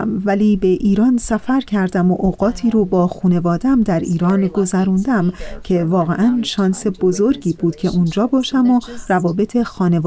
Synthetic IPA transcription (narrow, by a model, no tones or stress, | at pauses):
mvæliːbe̞ʔiːɾɒːnsæfæɾcʰæɾd̪æmoʔoɣɒːt̪ʰiːɾobɒːxuːne̞vɒːd̪æmd̪æɾiːɾɒːnɡo̞zæɾuːnd̪æmcʰe̞vɒːɣḛʔænʃɒːnse̞b̥o̞zo̞ɾɟiːbuːd̪̥cʰe̞ʔuːnd͡ʒɒːbɒːʃæmorævɒːbe̞t̪ʰe̞xɒːne̞